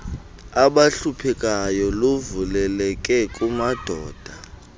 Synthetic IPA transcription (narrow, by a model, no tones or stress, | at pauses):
aɓaɬupʰɛkʼajɔlovulɛlɛkʼɛkʼumad̥ʱɔːd̥ʱa